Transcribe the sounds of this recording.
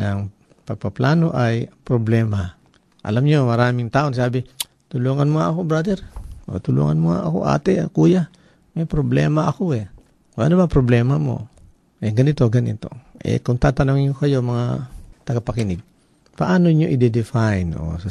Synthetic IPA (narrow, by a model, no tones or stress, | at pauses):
nɐŋ | pɐɡ̚pɐplaːnoʔajpɾoblɛːma | ʔɐ̰lamɲomɐɾaːmɪŋt̪aːʔonsaːbɪ | t̪ʊluːŋanmoŋaɐkobɾad̪ɛɾʔo̰t̪ʊlṵŋanmoŋa̰ʔɐko̰ʔa̰ːt̪ɛʔakuja | mɐjpɾoblɛ̰ːmaʔɐkoɛ | wa̰ʔanobapɾoblɛmamo̰ | ʔɛɡɐnit̪oɡɐnḭt̪o̞̰ʔɛ̰koŋt̪at̪anoŋɲokɐjomɐŋat̪ɐɡapɐkinɪɡ̚ | paʔaːnoɲoʔid̪ɛd̪ɪfajno̰sa